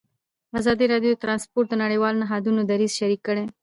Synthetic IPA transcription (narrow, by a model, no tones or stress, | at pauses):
azɑd̪iɾɑɖjot̪ɾɑnspoɾʈ̪̚d̪ənaɽejwɑlnaɦɑd̪unod̪aɾizʃaɾikːəɽe